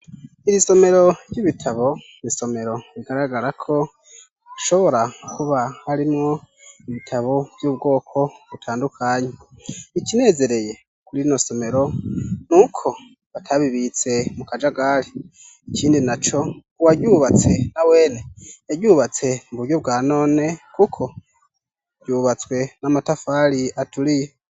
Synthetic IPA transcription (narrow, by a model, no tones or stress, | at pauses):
iɾiso̞me̞ɾo̞ɾjiβitʰaβo̞ | iso̞me̞ɾo̞ɾiɡaɾaɡaɾakʰo̞ | aʃo̞βo̞ɾakuβahaɾimŋo̞ | iβitʰaβo̞vjuːb̚ɡo̞ːkʰo̞βutʰaːndukʰaɲeikine̞ːze̞ɾe̞je̞ | kuɾiino̞so̞me̞ɾo̞nukʰo̞ | βatʰaβiβit͡se̞mukad͡ʒaɡali | iciːndinat͡ʃo̞ | uwaɟuːβat͡se̞nawe̞ːne̞eɟuːβat͡se̞muβuɾjob̚ɡaːno̞ːne̞kukʰo̞ | ɟ̥uβat͡swe̞namatafaliatulije